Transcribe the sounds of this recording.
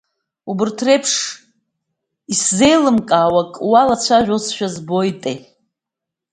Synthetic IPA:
ubɨrtʰrejpʰʂ | isze̞jlɨmkʼaːwakʼwalat͡sʷʰaʒʷᶣosʰʃᶣazbo̞jtʼe

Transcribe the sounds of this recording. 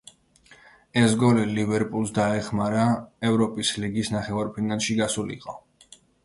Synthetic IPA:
ɛsɡɔlilivɛɾpʼulˠsd̪aɛχmaɾaɛvɾɔpʼisliɡisnaχɛvaɾpʰinalˠʃiɡasulḭqʼɔ

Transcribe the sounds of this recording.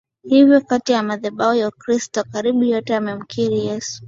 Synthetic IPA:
hivjɔkatijamaðɛɓaɔjaukɾistɔkaɾiɓujɔtɛamɛm̩kʰiɾijɛsu̥

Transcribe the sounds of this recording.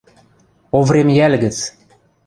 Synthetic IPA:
ovremjælʲɡɘ̆t͡s

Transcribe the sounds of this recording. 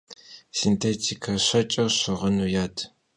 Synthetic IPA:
sintʰeːtʰikʰɐɕʷɐt͡ʃʼɐwɕɨʁənujaːtʰ

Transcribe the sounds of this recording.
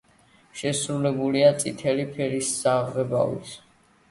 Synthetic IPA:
ʃɛsɾulɛbuliat̪sʼit̪ʰɛlipʰɛɾisːaʁʁɛba̰vḭs

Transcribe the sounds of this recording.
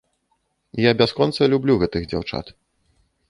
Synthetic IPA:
jabʲaskɔnt̪sɐlʲublʲuɣɛt̪ɨɣd͡zʲa̰wt͡ʂa̰t̪

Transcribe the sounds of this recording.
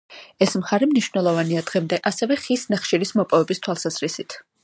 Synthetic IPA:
ɛsmχaɾɛmniʃvnɛlˠɔvaniad̪ʁɛmd̪ɛʔasɛvɛχisnaχʃiɾismɔpʼɔvɛbist̪ʰwalˠsaz̥ɾisit̪ʰ

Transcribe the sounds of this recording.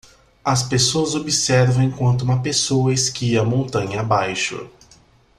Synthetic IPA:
ɐspesoɐzobisɛɾvɐ̃w̃ẽkwɐ̃nt̪ʊũmɐpesowɐeskiɐmõnt̪ɐ̃ɲɐabajʃʊ̰

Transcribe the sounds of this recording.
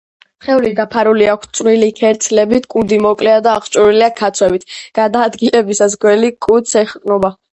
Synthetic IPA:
χɛuliɡ̪apʰaɾuliakʷʰst̪sʼwilikʰɛɾt̪sʰlɛbit̪ʰkʼund̪imɔkʼlɛad̪aːχt͡ʃʼuɾiliakʰat̪sʰwɛbit̪ʰɡ̥ad̪aːd̪ɡilɛbisasɡwɛlikʼut̪sʰɛχkʼnɔba

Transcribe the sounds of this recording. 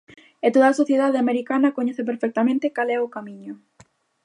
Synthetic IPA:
et̪oðaːsoθjeðað̞eameɾikanɐkoɲɛθep̬eɾfek̚t̪amẽnt̪ekalɛʊkamĩɲʊ

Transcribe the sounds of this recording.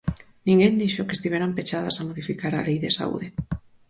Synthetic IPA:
nĩŋɡend̪iʃokest̪iβeɾampet͡ʃaða̰samoðifikaɾalejðesa̰ṵðe

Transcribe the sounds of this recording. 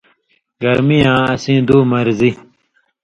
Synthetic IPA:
ɡɐɾmijãːɐsĩːd̪uːmɐɾzi

